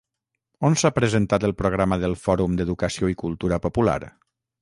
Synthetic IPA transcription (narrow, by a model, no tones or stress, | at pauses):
onsapɾəzənt̪at̪əlˠpɾoɣ̞ɾaməðəlˠfɔɾumd̪əðukəsioikulˠt̪uɾəpopula̰ɾ